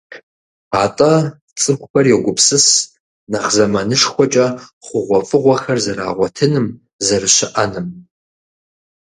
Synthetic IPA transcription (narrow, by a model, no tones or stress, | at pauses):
aːtʼɐ | t͡sʼɨxʷʼʊxɐrjɛɡʷʊpsɨs | nɐχzɐmɐnɨʂxʷɔt͡ʃʼɐχʷʊʁʷɔfʼɨʁʷɐxɐrzɐɾa̰ːʁʷɔtʰɨnɨm | zɐrɨɕɪʔɐnɨm